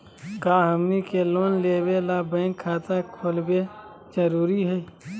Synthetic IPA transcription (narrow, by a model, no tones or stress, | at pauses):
kaːɦəmnikeloːnleːwelabɛ̃ːŋkʰːaːt̪akʰoːlbe | d͡ʒəɾuːɾiɦɛi